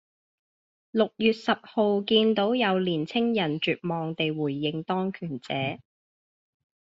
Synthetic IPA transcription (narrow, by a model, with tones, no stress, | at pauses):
lʊ˨k̚jyː˨t̚sɐ˨p̚ho˨wkiː˧nt̪o˨˥wjɐ˨˧wliː˨˩nt͡sʰɪ˥ŋjɐ˨˩nt͡ʃyː˨t̚mɔː˨ŋt̪e˨jwuː˨˩jːɪ˨ŋt̪ɔː˥ŋkʰyː˨˩nt͡sɛ̰ː˨˥